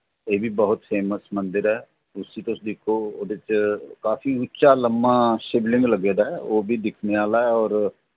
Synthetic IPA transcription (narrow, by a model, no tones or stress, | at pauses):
eːbʱibəɦʊt̪fʰeːməsmə̃nd̪ɪɾɦɛː | ʊsit̪oʊsd̪ɪkʰooːd̪ɪt͡ʃkaːfiʊtːʃaləmːaʃeblɪ̃ŋɡləɡeːd̪aɦɛoːbʱid̪ɪkʰneaːlaɦɛɔːɾ